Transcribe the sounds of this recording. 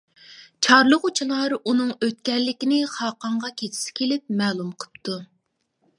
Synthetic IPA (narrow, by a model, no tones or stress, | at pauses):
t͡ʃʰɑɾlˠəqut͡ʃʰilˠɑɾunɨŋøt̪̚kʲɛnlːɪkʲinɪχɑːqɑɴʁɑkʲʰet͡ʃ̪ʰɪ̥sɪ̥kʲʰelɪp̚mɛːlˠumqʰə̥pt̪ʰu